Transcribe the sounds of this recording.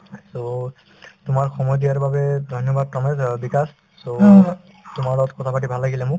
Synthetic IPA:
so | tʊmaɹxɔmɔjdijaɹbabɛdʱɔnjɔbad̚pɔmɛdbikas | so | tʊmaɹɔtkɔtʰapat̬ibʱalːaɡilɛmʊ

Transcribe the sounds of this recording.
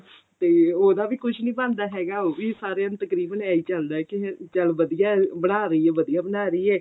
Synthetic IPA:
t̪eːoːd̪aːʋiːkʊt͡ʃʰnĩːbãːnd̪aːɦɛːɡaːoːʋiːsaːɾjãːnt̪əkɾiːbənaːiːt͡ʃəld̪aːɛːkɪt͡ʃəlʋəd̪ijaːbəɽaːɾəiːɛːʋəd̪ijaːbənaːɾəiːɛː

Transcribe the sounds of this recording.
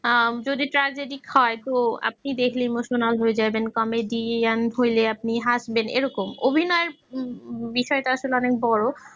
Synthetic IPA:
d͡ʑod̪iʈɾad͡ʑeɖikhɔet̪oa̰p̚nid̪ekʰlimoʃonalɦoed͡ʑajbenkɔmeɖianɦojleap̚niɦaʃbenḛɾɔkomobʱinɔeɾ | biʃɔeʈaaʃoleɔnek̚bɔɾo

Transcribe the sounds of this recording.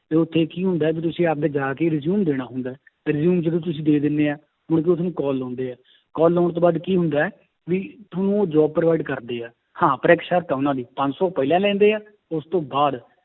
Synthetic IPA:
t̪eːʊt̪ʰːeːkiːɦʊ̃nd̪aːɛːbiːt̪̬ʊsĩːaːp̚d̪eːd͡ʒaːkeːɾɪzjuːmd̪eːɽ̃aːɦʊnd̪aːɛː | ɾɪzjuːmd͡ʒəd̪ũːt̪̬ʊsĩːd̪eːd̪ɪnːeːaː | mʊɽk̬eʊt̪ʰnũːkɔːlːɔ̃ːnd̪eːaː | kɔːlːɔːɳt̪õːbaːd̪kiːɦʊ̃nd̪aːɛː | ʋiːt̪ʰʊnũːoːd͡ʒɔːb̚pɾoʋaːɪɖkəɾd̪eːaː | hãːpɾeːkʃəɾt̪ːʊnãːd̪iːpə̃ɲd͡ʒsɔːpəiːlɛ̃ːlɛ̃ːnd̪eːaː | ʊst̪õːbaːd̪

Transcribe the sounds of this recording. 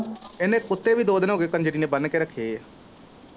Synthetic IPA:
enẽːkʊt̪ːeːʋiːd̪oːd̪ənɦoːɡeːkənd͡ʒəʈiːneːbənkeːɾəkʰːeː

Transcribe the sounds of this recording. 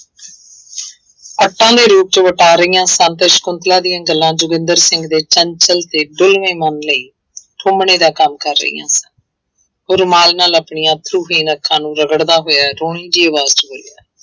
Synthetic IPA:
əʈːãːd̪eːɾuːp̚t͡ʃəʋəʈaːɾəijãːsənt̪eʃkʊnt̪laːd̪ijãːɡəlːãːd͡ʒʊɡɪ̃nd̪əɾsɪŋɡd̪eːt͡ʃənt͡ʃəlt̪eːɖʊlʋẽːmənləiː | ʈʰʊmɳeːd̪aːkəmkəɾːə̰ḭːã̰ːsən | ɦoːɾmaːlnaːləpɳijãːt̪ʰɾuːɦiːnəkʰːãːnũːɾəɡəɽd̪aːɦoːjaːɾoːɳ̃iːd͡ʒiːəʋaːzt͡ʃəboljaː

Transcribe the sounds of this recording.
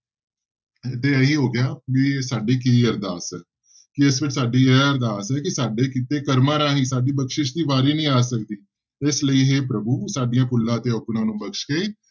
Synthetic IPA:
t̪eːəɦiːɦoːɡɪjaːʋisaːɖiːkiːəɾd̪aːsɛː | kɪɪsʋɪt͡ʃʰsaːɖiːɛːəɾd̪aːsɛːkɪsaːɖeːkiːt̪eːkəɾmãːɾãːɦiːsaːɖiːbəkʃɪʃd̪iːʋaːɾiːnəĩːaːsək̚d̪iː | ɪsləiːɦeːpɾəbuːsaːɖɪjãːkʊlːãːət̪eːoknãːnũːbəkʃkeː

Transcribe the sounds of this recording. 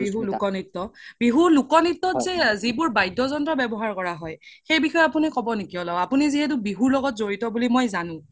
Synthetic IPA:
biɦulukɔnitːɔb̥iɦulukɔnitːɔzɛzibʊɹbajdʱːɔzɔndɹɔbɛbɔɦaɹkɔɹaɦɔjxejbixɔjapunikɔbɔnekiɔlɔapuniziɦɛt̬ubiɦuɹlɔɡɔtzoɹitɔbulimɔjzanʊ̃

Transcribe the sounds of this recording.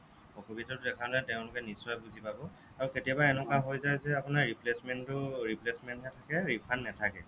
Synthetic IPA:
ɔkʰobitɔtʊdɛkʰalɛtɛʊ̃lʊkɛnisːɔjbuzipabɔ | aɹuketijabaɛnɔkaɦojzajzɛapʊnaɹɹiplesmɛntʊɹiplesmɛntnɛtʰakɛɹipʰanːɛtʰakɛ

